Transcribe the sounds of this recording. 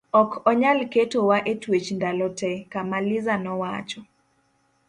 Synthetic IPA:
ɔkʰɔɲalketowaʔetwet͡ʃndalɔtɛkamalɪzanɔwat͡ʃɔ

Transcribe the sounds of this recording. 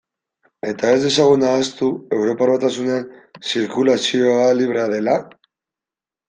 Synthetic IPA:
e̞t̪ae̞zðe̞saɣ̞unaːst̪ue̞wɾo̞paɾβat̪asunensiɾkulasioaliβ̞ɾeaðe̞la

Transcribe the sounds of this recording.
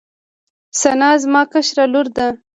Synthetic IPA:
sanɑzmɑkaʃɾalʊɾd̪a

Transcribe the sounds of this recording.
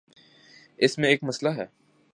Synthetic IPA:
ɪsmẽeːkmɐslaɦɛː

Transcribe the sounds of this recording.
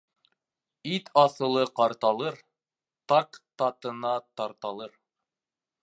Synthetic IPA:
it̪ʰɑθɤ̆lˠɤqɑɾt̪ɑlˠɤɾ | t̪ɑqt̪ɑt̪ɤ̆nɑt̪ɑɾt̪ɑlˠɤɾ

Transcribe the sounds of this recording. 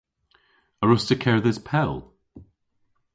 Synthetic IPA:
əɹʊstəkʰɛɹðɪz̥pʰɛlˠ

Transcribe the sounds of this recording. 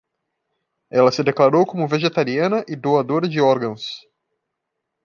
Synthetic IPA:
ɛlɐsɪd̪eklaɾowkõmʊveʒet̪aɾiɐ̃nɐʔɪd̪oad̪oɾɐd͡ʒɪɔɾɡɐ̃w̃s

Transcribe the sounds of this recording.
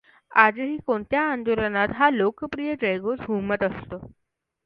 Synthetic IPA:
ad͡zəɦiːkoɳt̪jaːnd̪uɾanat̪ɦalokəpɾijəʈɾejɡosɡʱumət̪əst̪o

